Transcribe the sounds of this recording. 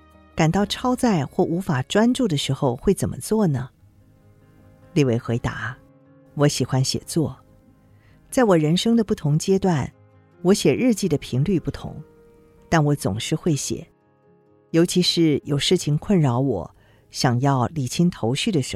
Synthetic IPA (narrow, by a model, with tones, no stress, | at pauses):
ka˨˩nt̪ɑ˥˩ʊʈ͡ʂʰɑ˥ʊt͡sa˥˧ɪxwɔ˥˩ʔu˧˥fa˨˩ʈ͡ʂwa˥nʈ͡ʂu˥˩d̪ə˩ʂɻ̩˧˥xo˧ʊxwe˥˩ɪt͡sə˨˩nmʔə̰˦t͡swɔ˥˩nə˩ | li˥˩we˥˩ɪxwe˧˥ɪt̪a̰˧˥ | wɔ˧˥ɕi˨˩xwa˥nɕjɛ̰˨˩t͡swɔ˥˩ | t͡sa˥˩ɪwɔ˨˩ɻə˧˥nʂɤ˥ŋd̪ə˨pu˥˩t̪ʰʊ˧˥ŋt͡ɕjɛ˥t̪wa˥˩n | wɔ˧˥ɕjɛ˨˩ɻɻ̩˥˧t͡ɕi˥˩d̪ə˩pʰi˧˥ŋly˥˧pu˥˩t̪ʰʊ̰˧˥ŋ | t̪a˥˩nwɔ˧˥t͡sʊ̰˨˩ŋʂɻ̩˥˧xwe˥˩ɪɕjɛ̰˨˩˦ | jo˧˥ʊt͡ɕʰi˧˥ʂɻ̩˥˩jo˨˩ʊʂɻ̩˥˩t͡ɕʰi˧˩ŋkʰwə˥˩nɻɑ˧˥ʊwɔ̰˨˩˦ | ɕjɑ˨˩ŋjɑ˥˩ʊli˨˩t͡ɕʰi˥nt̪ʰo˧˥ʊɕy˥˩d̪ə˩ʂɻ̩˧˥